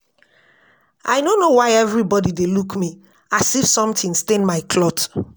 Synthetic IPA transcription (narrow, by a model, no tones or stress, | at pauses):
a̰jnonowaɪɛvɹibɔdidelukmi | asifsɔ̃mtĩnstẽnmaɪkʰlɔt